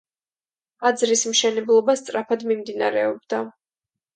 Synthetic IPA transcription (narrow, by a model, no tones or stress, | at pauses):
ad̪zɾismʃɛnɛblˠɔbast̪sʼɾapʰad̪mimd̪ina̰ɾɛɔbd̪a